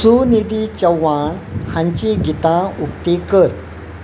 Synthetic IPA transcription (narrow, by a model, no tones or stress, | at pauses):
sunid̪it͡ɕəwaɳhãɲt͡ɕiɡit̪ãuk̚t̪ekəɾ